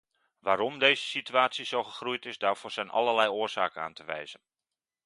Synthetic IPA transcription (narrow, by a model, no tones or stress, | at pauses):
ʋaːɾɔmdejzəsityaːtsizowχəχrujtɪzdaːɹv̥ʊːɹz̥ɛjnʔɑ̰ləɹlɛjʊːɹz̥a̰ːkəna̰ːntəʋɛ̰jzən